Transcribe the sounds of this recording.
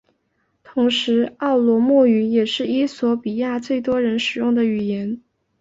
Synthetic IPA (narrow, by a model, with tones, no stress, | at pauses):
t̪ʰʊ˧˥ŋʂɻ̩˧˥ɑ˥˩ʊlwɔ˧˥mɔ˥˩y˧˥jɛ˨˩ʂɻ̩˥˩i˥swɔ˧˥pi˨˩ja˥˧t͡swe˥˩ɪt̪wɔ˥ɻə˧˥nʂɻ̩˨˩jʊ˥˩ŋd̪ə˩y˨˩jɛ˧˥n